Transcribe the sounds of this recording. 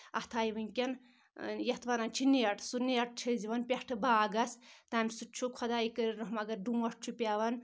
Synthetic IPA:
ɐht̪ʰaːjiʋɨŋkʲɐn | jɐt̪ʰʋanant͡ʃʰineɐʈʰsuneɐʈ̚t͡ʃʰiziʋɐnpʲehʈʰɨbaːɡɐst̪aːmʲsut͡ʃʰukʰɐd̪aikəɾiɾɐɦmɐɡɐɾɖumɐʈ̚t͡ʃʰupʲaʋɐn

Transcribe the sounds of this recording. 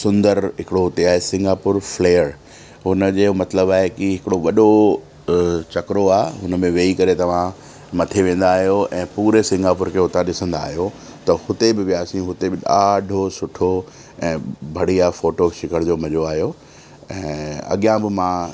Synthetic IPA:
sʊ̃nd̪əɾɦɪkɪɽoɦʊt̪eaːɦesɪ̃ŋɡaːpʊɾfleːəɾ | ɦʊnə̆d͡ʑeːmɐt̪ləbaːɦekɪɦɪkɪɽoʋɐɗo | t͡ɕɐkɾoaːeɦʊnə̆mẽʋeːikɐɾet̪ɐʋ̤ã | mɐt̪ʰeʋẽːn̆d̪aːɦjoɛ̃ːpuːɾesɪ̃ŋɡaːpʊɾkʰeɦʊt̪aɗɪsə̃nd̪a̰ːɦijo | t̪ɐhʊt̪ebɪʋijaːsĩɦʊt̪ebɪɗaːɖʱosʊʈʰo | ɛ̃ːbʱɐɽ̤iaːfoːʈoʃɪkəɽ̃d͡ʑoːmɐʄoaːɦijo | ɛ̃ːɐ̰ɠijãbɪmã

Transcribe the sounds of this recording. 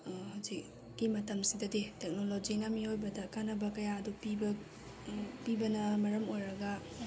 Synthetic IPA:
hawzik̚ː | imɐtɐmsidɐdetek̚nolod͡ʒinɐmiojbɐdɐkanɐbɐkɐjaɐdupibɐ | pibɐnɐmɐɾɐmojɾɐɡɐ

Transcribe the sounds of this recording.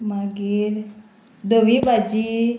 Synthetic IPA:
maɡiɾ | d̪oʋibad͡ʒi

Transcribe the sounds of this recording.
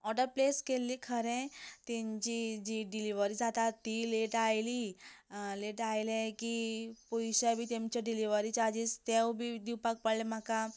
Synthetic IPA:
ɔʈəɾpleskelːiːkʰəɾẽt̪ɛ̃ɲt͡ɕid͡ʑiɖiliʋəɾiːd͡zat̪at̪ːileʈajli | leʈajlekipujɕabʱiːt̪ẽmt͡ɕaɖiliʋəɾit͡ɕad͡ʑiːst̪ewbʱiːd̪iwpak̚pəɽlem̤aka

